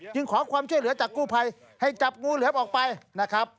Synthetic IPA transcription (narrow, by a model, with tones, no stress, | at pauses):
t͡ɕɯ˧ŋkʰɔː˩˦kʰwaː˧mt͡ɕʰu˥˩jlɯ˩˦ɐt͡ɕaː˨˩kːuː˥˩pʰa˧j | ha˥˩jt͡ɕa˨˩p̚ŋuː˧lɯː˨˦ɐʔɔː˨˩k̚pa˧jna˦˥˩kʰɾa˦˥p̚